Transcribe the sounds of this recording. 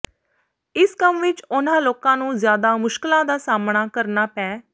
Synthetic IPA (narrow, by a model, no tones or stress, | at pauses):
ɪskəmʋɪt͡ʃʊnãːloːkãːnũːzjaːd̪aːmʊʃkɪlãːd̪aːsaːmɳaːkəɾnaːpɛ̃ː